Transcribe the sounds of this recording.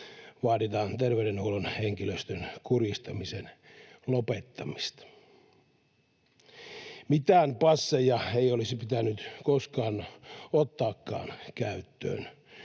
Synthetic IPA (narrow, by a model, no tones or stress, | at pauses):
ʋɑːdit̪ɑːnt̪erʋeyɾenhuulonheŋkiløst̪ønkurist̪ɑmisen | lopet̪ːɑmist̪ɑ̥ | mit̪æːnpɑsːejɑeiolisipit̪ænːyt̪koskɑːnot̪ːɑːkːɑ̰ːnkæyt̪ːø̰ːn